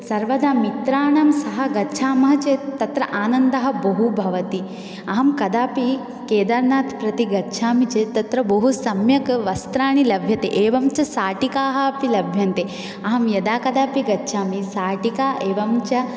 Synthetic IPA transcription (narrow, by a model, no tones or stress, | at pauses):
sɐɾʋɐd̪aːmit̪ɾaːɳɐmsɐɦɐɡɐtːʃʰaːmɐɦɐt͡ʃeːt̪ɐt̪ɾɐʔaːnɐnd̪ɐɦɐ̆bɐɦubʱɐʋɐt̪i | ɐɦɐmkɐd̪aːpi | keːd̪ɐɾnaːt̪ʰpɾɐt̪iɡɐtːʃʰaːmit͡ʃeːt̪ɐt̪ɾɐbɐɦusɐmjɐkʋɐst̪ɾaːɳilɐbʱjɐt̪eʔeːʋɐmt͡ʃɐsaːʈikaːɦɐɐpilɐbʱjɐnt̪e | ɐɦɐmjɐd̪aːkɐd̪aːpiɡɐtːʃʰaːmisaːʈikaːʔeːʋɐmt͡ʃɐ